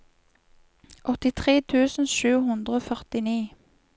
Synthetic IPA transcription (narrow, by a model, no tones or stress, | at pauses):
ʔɔt̪ɪt̪ʰʁeːt̪ʰʉːsn̩ʃʉːhʉnd̪ʁəoːfœʁt̪ɪniː